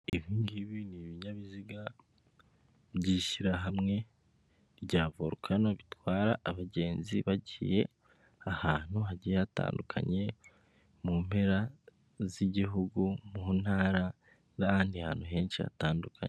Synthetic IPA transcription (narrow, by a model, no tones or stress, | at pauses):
iβiːnɡiβiniβiɲaβiziɡa | βɟiːʃiɾaɦamŋe̞ | βɟaːvoɾukʰanoβitwaːɾaʔːβaɟe̞ːnziβaɟiːje̞ | ahaːn̥huɦaɟiata̰ːndukʰa̰ɲe̞ | muːm̥heɾa | ziɟiɦuɡumun̥haːɾa | ɾaaːndiha̰ːn̥huɦe̞ːnʃia̰taːndukʰa̰ɲe